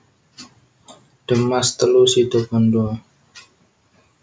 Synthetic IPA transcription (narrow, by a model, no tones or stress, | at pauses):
ɖ̥əmast̪əlusid̪obɔndua